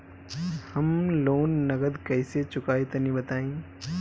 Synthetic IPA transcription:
hɐmloːnːɐɡəd̪kɐiset͡ʃʊkaːet̪ɐnĩbɐt̪aːĩː

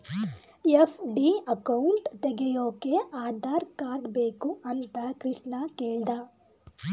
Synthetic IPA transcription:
epʰɖiɐkɐwuɳʈt̪eɡejoːkeʔaːd̪ʱaːɾkaːɖbeːkuʔɐnt̪akɾɪʂɳɐkeːɭd̪aː

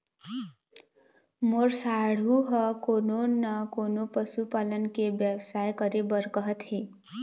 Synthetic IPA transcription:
moɾsaɽ̤uɦʌkononʌkonopəsupalənkebjəʋsajkʌɾebəɾkʌɦt̪ʰe

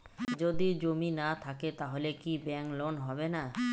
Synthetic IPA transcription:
d͡ʑod̪id͡ʑominat̪ʰaket̪aɦolekibɛŋklonɦɔbena

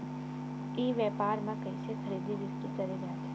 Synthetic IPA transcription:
eʋɛpaɾmãkəiʃekʰəɾid̪ʱiʋist̪ikəɾinat̪ʰ

